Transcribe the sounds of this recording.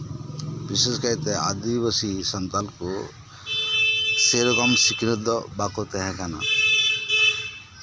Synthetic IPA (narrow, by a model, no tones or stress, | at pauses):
biseskaɾit̪ea̰d̪ibəsisɔnt̪alku | seɾɡɔmsikɾed̪ɔbakot̪eɦɛ̃kana̰